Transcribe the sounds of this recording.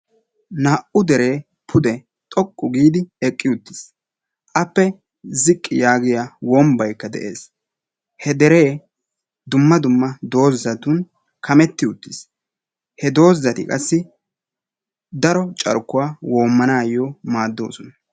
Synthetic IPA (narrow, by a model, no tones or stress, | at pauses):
naːʔʊd̪ɛɾe̞ː | pʰʊd̪ɛ | t̪ʼɔkʼːʊɡiːd̪ɪɛkʼːɪʊt̪ːɪs | ʔɐpːɛ | zɪkʼːɪjaːɡɪjawɔmbɐjkːɐd̪ɛ̰ʔe̞̰ːs | hɛd̪ɛɾeː | d̪ʊmːɐd̪ʊmːɐd̪o̞ːzːɐt̪ʊn | kʰɐmɛt̪ːɪʊt̪ːɪs | hɛd̪o̞ːzːɐt̪ɪkʼɐsːɪ | d̪ɐɾɔt͡ʃʼɐ̰ɾkːʊwaːwoːmːɐnaːjomaːd̪ːo̞̰ːsɔnɐ